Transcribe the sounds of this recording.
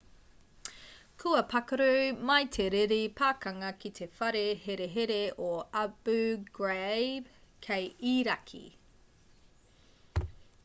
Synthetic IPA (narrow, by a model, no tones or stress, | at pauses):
kʰʉɐpʰɐkɐɾʉmɐjt̪ʰeɾeɾipʰaːkɐŋɐkit̪ʰe̞fɐɾeheɾeɦeɾeʔoɐb̥ʉɡ̥ɹebkʰejiːɾɐkʰḭ